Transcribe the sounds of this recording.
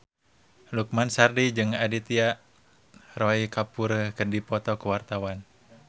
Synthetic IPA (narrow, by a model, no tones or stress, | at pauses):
luk̚mansardid͡ʒɨŋadit̪iaʔ | rɔikapuɾəkədipɔt̪ɔkəwart̪awan